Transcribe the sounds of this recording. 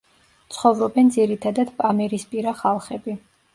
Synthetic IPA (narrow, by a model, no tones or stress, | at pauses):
t̪sʰχɔvɾɔbɛnd̪ziɾit̪ʰad̪ad̪pʼamɛɾispʼiɾaχalˠχɛbi